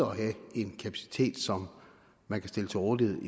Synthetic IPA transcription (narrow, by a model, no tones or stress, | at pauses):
ɒɦæe̝nkʰæpʰæsi̥t͡sʰe̝̰ːd̥sɒ̽m | mænkʰæsd̥e̝lət͡sʰe̝lɔːd̥iheð̰ˠi